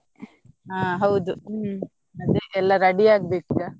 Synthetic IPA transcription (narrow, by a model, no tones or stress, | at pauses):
ɦãːɦɐwd̪u | ɐd̪eɛlːaɾɐɖiaːɡ̚beːk̚t͡ʃa